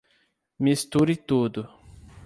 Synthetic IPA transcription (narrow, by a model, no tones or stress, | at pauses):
mist̪uɾɪt̪ud̪ʊ